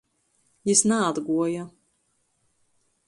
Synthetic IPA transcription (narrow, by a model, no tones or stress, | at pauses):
jisnaad̪ɡuɔja